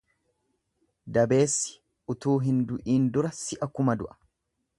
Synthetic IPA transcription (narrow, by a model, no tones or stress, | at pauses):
d̪ɐbe̞ːsːɪ̥ | ʊt̪uːɦɪnd̪ʊʔiːnd̪ʊɾɐsɪʔɐkːʊmɐd̪ʊʔɐ̥